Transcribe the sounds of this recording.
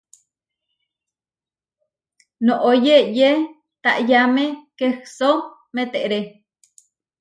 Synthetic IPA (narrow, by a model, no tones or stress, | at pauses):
nõʔojeje | t̪a̰ʔjamekehso | met̪eʔɾe